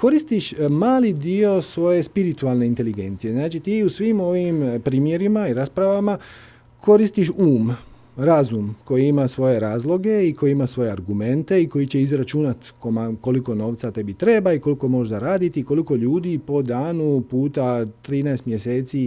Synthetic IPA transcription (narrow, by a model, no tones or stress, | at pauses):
ko̞ɾist̪iʃmaːlid̪io̞sʋo̞je̞spiɾit̪ualˠne̞int̪e̞liɡe̞nt̪sije̞znaːt͡ʃit̪iːusʋimo̞ʋimpɾiːmje̞ɾimaiɾaspɾaʋama | kʰo̞ɾist̪iʃuːm | ɾazumko̞jiimasʋo̞je̞ɾaːzlˠo̞ɡe̞iko̞jiimasʋo̞jeaɾɡume̞nt̪e̞iko̞it͡ɕe̞izɾat͡ʃunat̪komako̞liko̞no̞ːʋt̪sat̪e̞bit̪ɾe̞baiko̞liko̞mo̞ʒd̪aɾaːd̪it̪iko̞liko̞ʎuːd̪ipo̞d̪aːnupuːt̪at̪ɾiːnaest̪mjese̞ːt̪si